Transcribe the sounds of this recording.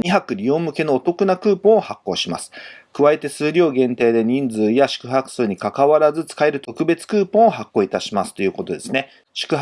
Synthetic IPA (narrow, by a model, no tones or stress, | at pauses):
ɲiɦakɯ̟ɾʲio̞ːmɯ̟ke̞no̞ːt̪o̞kɯ̟nakɯ̟ːpõ̞ɰ̃ohakːo̞̰ːɕima̰sɨ̥kɯ̟βae̞t̪e̞sɨːɾʲo̞ːɡẽ̞nt̪e̞ːd̪e̞ɲ̟ĩnd͡zɨːjaɕi̥kɯ̟ɦakɯ̟̥sɨːɲ̟ikakaβaɾazɨt͡sɨ̥kaeɾɯ̟t̪o̞kɯ̟be̞t͡sɨ̥kɯːpõɰ̃oɦakːo̞ːit̪aɕimasɨ̥t̪o̞jɯ̟ːko̞t̪o̞d̪e̞sɨne | ɕi̥kɯ̟ɦ